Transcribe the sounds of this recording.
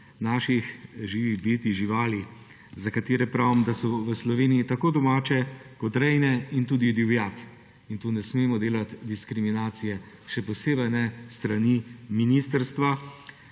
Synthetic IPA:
naːʃixʒiːʋibeːt̪iʒiʋaːli | zakat̪eːɾɛpɾaːwmd̪asɔʋəslɔʋeːnijit̪akoːd̪ɔmaːt͡ʃɛkɔt̪ɾɛjnɛint̪uːd̪id̪iwjat̪ | int̪unɛsmeːmɔd̪eːlat̪d̪iskɾiminaːt̪sijɛ | ʃɛpɔseːbəjnɛst̪ɾaniminiːst̪əɾst̪ʋa

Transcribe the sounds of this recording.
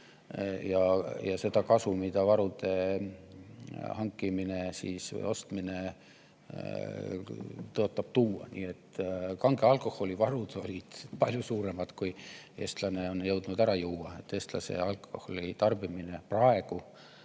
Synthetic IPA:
jɑjɑse̞d̪̥ɑkɑsumid̪̥ɑvɑɾud̪̥e̞ | hɑŋkːˑimine̞siːsvɤ̰jo̞st̪mine̞ | t̪oot̪ːˑɑb̥̚t̪uːɑ̰nḭːe̞t̪ːkɑŋɡ̥e̞ɑlkˑo̞ho̞lʲivɑɾud̪̥o̞lʲid̪̥pɑlʲjusuːɾe̞mɑd̪̥kuje̞ːst̪lɑneo̞njɤwd̪̥nud̪æɾɑjuːwːɑet̪ːˑe̞ːst̪lɑ̰se̞̰ɑlko̞holit̪ɑrb̥imineprɑe̞ɡ̥u

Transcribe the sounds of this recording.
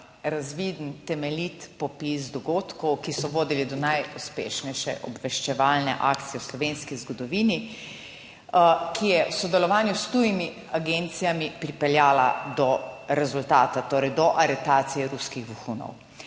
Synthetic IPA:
ɾazʋid̪nt̪ɛmɛlit̪pɔpisd̪ɔɡoːt̪kɔwkisɔʋoːd̪ilid̪ɔnajuspḛːʃnɛjʃɛ̰ʔɔbʋɛʃt͡ʃɛʋaːlnɛ̰ʔa̰ːkt̪sijɛwslɔʋenskizɡɔd̪ɔʋiːni | kʰijɛwsɔd̪ɛlɔʋaːnjust̪ujimi | aɡent̪sijamipɾipɛljaːla̰d̪ɔɾɛzult̪aːt̪at̪oːɾɛjd̪ɔʔaɾɛt̪aːt̪sijɛɾuskiɣbuxunɔ̰w

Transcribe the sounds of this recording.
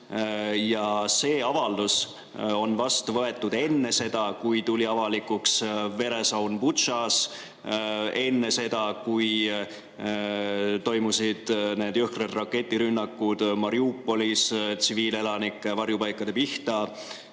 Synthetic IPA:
jɑse̞ːɑvɑld̪̥us | o̞nvɑst̪uvɤe̞t̪ːˑud̪̥e̞nːe̞se̞d̪̥ɑkujt̪ulʲiɑvɑlikːˑuksve̞ɾe̞sɑwnpusɑs | e̞nːe̞se̞d̪ɑkuj | t̪o̞jmusid̪̥ne̞ːd̪yhkred̪rɑkːe̞t̪ʲːˑiɾynːɑkːud̪̥mɑɾiuːpːo̞list̪siviːle̞lɑnikːˑvɑɾjupɑjkːˑɑd̪̥e̞piht̪ɑ

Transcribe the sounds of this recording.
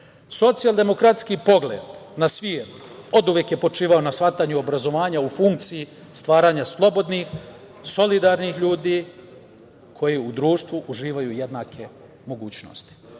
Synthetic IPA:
so̞t̪sijald̪e̞mo̞kɾat̪skipo̞ɡlḛːd̪nasʋieɾt̪o̞d̪uʋjekjepo̞t͡ʂiːʋao̞nasfat̪aɲuobɾazo̞ʋaːɲaufuŋk̚t̪siji | st̪ʋaːɾaɲaslˠo̞bo̞d̪nix | so̞lid̪aɾnixʎuːd̪i | kʰo̞jiud̪ɾuːʃt̪ʋuʔuʒiːʋajujed̪naːkʰe | mo̞ɡuːt͡ɕno̞̰st̪i̥

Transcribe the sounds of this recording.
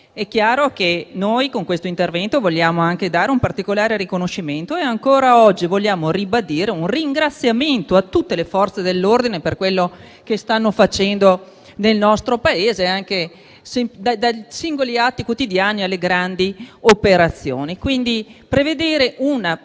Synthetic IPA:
ɛkːjaːɾok̟enojkoŋkwest̪oint̪ervɛnt̪ovoʎːaːmoaŋked̪aːɾeumpart̪ikolaːɾeɾikonoʃːiment̪oeaŋkoːɾaɔd͡ʒːivolʎːjaːmoribad̪iːɾeunriŋɡɾat̪sːjament̪oat̪ːut̪ːelefɔrt̪sed̪elːord̪ineperkwelːo | kest̪anːofat͡ʃɛnd̪o | nelnɔst̪ɾopaeːzeaŋke | sɛmd̪ad̪ajsiŋɡoliat̪ːikwot̪id̪jaːnialːeɡɾand̪iopeɾat̪sːjoːnikwind̪ipɾeved̪eːɾeʔuna

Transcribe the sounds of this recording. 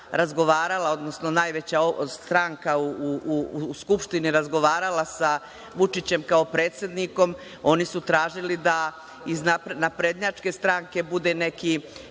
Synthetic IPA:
ɾazɡo̞ʋaːɾalˠao̞d̪no̞sno̞naːjʋe̞t͡ɕaost̪ɾaŋkauuuskupʃt̪iniɾazɡo̞ʋaːɾalasa | ʋut͡ʂit͡ɕe̞mkao̞pɾe̞ːt̪sje̞d̪niko̞m | o̞nisut̪ɾaːʒilid̪a | iznapnapɾed̪ɲat͡ʂke̞st̪ɾaŋke̞bud̪e̞ne̞ki

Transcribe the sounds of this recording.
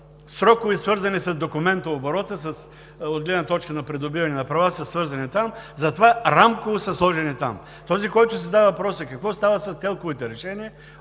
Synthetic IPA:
sɾɔkʊvisvɤɾzɐnisɐzd̪okʊmɛnt̪əoboɾɔt̪əsəs | od̪ɡlɛd̪nɐt̪ɔt͡ʃkənɐpɾɛd̪obivɐnɛnɐpɾɐvasɐsvɤɾzɐnit̪amzɐt̪ovaɾamkovosɐslˠɔʒɛnit̪a̰m | t̪ɔzikɔjt̪ʊs̬iɛzd̪avɐvɐpɾɔsəkɐkvɔst̪avəsɐst̪ɛlˠkʊvit̪ɛɾɛʃɛniə

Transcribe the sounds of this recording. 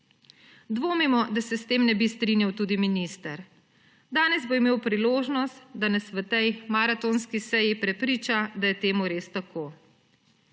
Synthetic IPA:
d̪ʋoːmimɔd̪asɛst̪eːmnɛbist̪ɾiːnjawt̪uːd̪iminist̪ɐɾ | d̪aːnɛzboimeːwpɾiloːʒnɔst̪d̪anɛsʋət̪ɛjmaɾat̪oːnskisɛjipɾɛpɾiːt͡ʃad̪ajɛt̪eːmuɾeːst̪akʰoː

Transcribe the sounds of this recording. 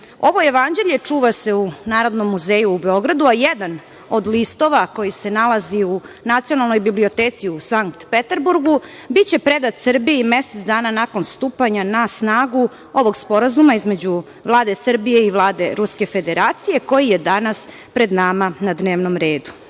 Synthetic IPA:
o̞ʋo̞jeʋand͡ʑe̞ʎet͡ʂuːʋase̞unaːɾo̞d̪nomːuzeːjuːbeo̞ɡɾad̪uajed̪an | o̞d̪list̪o̞ʋako̞jise̞nalˠaziu | nat̪sijo̞nalˠnojbiblio̞t̪eːt̪siusaŋkt̪pet̪eɾbuɾɡu | bit̪t͡ɕe̞pɾe̞d̪at̪sr̩bijeimeset̪d̪aːnanako̞nst̪uːpaɲanasnaːɡu | o̞ʋo̞ɡspo̞ɾazumaizme̞d͡ʑu | vlˠaːd̪e̞sr̩bije̞iʋlˠaːd̪e̞ɾuske̞fe̞d̪eɾaːt̪sije̞ko̞jijed̪anas | pɾe̞d̪namanad̪ne̞ːʋnomɾe̞ːd̪u̥

